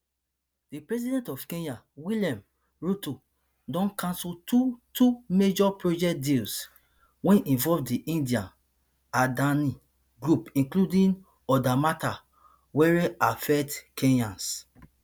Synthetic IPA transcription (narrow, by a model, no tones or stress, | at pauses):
d̥ipɹɛzidɛ̃ntɔfkẽna | wiljãm | ɹuto | dɔ̃nkãnsultutumed͡ʒɔpɹod͡ʒɛk̚dils | wɛ̃nĩnvɔvdiʔĩndiãn | adãnĩ | ɡɹupĩnkludĩ | ɔdamata | wɛɹɛafɛtkʰẽnãns